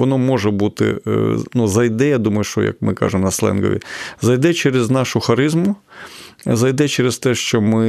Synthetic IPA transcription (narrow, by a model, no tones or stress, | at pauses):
ʋɔnɔmɔʒɛbut̪ɪ̰nuzɐjd̪ɛjad̪umɐjʊʃt͡ʃɔ̰jɐ̰kmɪ̰kɑ̰ʒemnɐslˠɛ̰nɡɔ̰ʋʲḭzɐjd̪ɛt͡ʃɛɾeznɑʃʊxɐɾɪzmʊ | zɐjd̪ɛt͡ʃɛɾest̪ɛʃt͡ʃɔmɪ